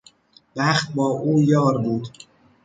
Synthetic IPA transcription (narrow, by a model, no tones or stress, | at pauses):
væχt̪̚bɒːʔuːjɒːɾbuːd̪